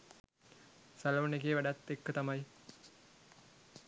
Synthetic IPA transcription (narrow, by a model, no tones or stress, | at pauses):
salunekeːʋaɖat̪ːekːət̪amaj